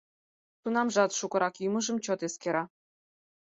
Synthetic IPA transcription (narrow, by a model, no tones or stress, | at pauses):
t̪unɑmʒɑt̪ʃukɤ̆ɾɑkjymə̆ʒə̆mt͡ɕot̪eskeɾɑ